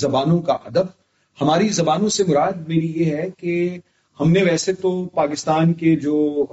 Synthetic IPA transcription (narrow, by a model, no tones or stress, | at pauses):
zɐbaːnõkaʔɐd̪əb̚ | hɐmaːɾizɐbaːnõsemʊɾaːd̪̚meːɾijeɦɛke | hɐmneʋɛːset̪opaːkɪst̪aːnked͡ʒoː